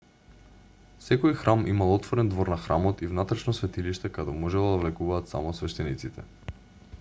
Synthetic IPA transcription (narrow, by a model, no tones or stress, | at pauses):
sɛkɔjxɾamimalˠɔt̪vɔɾɛnd̪vɔɾnaxɾamɔt̪ivnat̪ɾɛʃnɔsvɛt̪iliʃt̪ɛkad̪ɔmɔʒɛlˠɔd̪avlɛkuvaːt̪sa̰mɔsvɛʃt̪ɛnit̪sit̪ʰɛ